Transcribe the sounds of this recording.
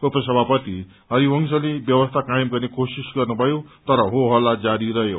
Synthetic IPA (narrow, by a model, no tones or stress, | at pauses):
upʌsʌbʱapʌt̪i | ɦʌɾiwʌŋsʌlebjʌwʌst̪ʰakajmɡʌrnekosisɡʌrnubʱʌjot̪ʌɾʌɦoɦʌlːad͡zaɾiɾʌjo